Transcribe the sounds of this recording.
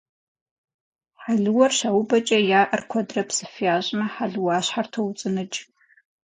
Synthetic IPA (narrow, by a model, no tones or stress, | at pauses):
ħaɮɨwɐrɕawʊbɐt͡ʃʼɐjaːʔɐrkʷʰɔdrɐpʰsɨfiaːʑʼmɐħaɮɨwaːɕħartʰɐwt͡sʼɨnɨd͡ʒ